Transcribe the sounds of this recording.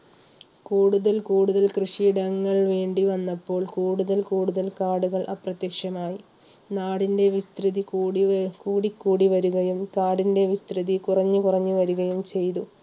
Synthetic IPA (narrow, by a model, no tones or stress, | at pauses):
kuːɽuðɐlkuːɽuðɐlkrɨʂiɽɐŋːɐɭʋe̞ːɳɖiʋɐnːɐpːo̞ːɭkuːɽuðɐlkuːɽuðɐlkaːɽuɣɐɭʔɐ̰prɐt̪jɐkʂɐmaːji | naːɽinde̞ʋist̪rɨðikːɽikuːɽikːuːɽiʋɐɾuɣɐjumkaːɽinde̞ʋist̪riðikurɐɲːukurɐɲːuʋɐɾuɣɐjumt͡ɕe̞jt̪u